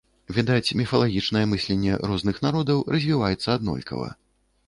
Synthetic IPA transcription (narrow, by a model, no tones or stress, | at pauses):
vʲid̪at͡sʲmʲifɐlˠaɣʲit͡ʂnɐjɛmɨsʲlʲɛnʲːɛ̰ɾɔznɨxnaɾɔd̪ɐwrɐzʲvʲivajɛt̪sːɐːd̪nɔ̰lʲkɐ̰vɐ̰